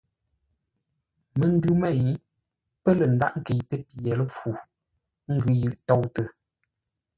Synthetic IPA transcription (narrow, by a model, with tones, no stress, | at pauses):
mə˨n̩˦dʉ˦mɛ˦˨j | pə˦lə˨n˨da̰˦˨ʔŋ̩˦ke˨jtə˦pi˨ɛ˨lə˦fu˨˦ | ŋ̩˦ɡʉ˨˦jɯ˨ʔtɔ˦˨wtə˨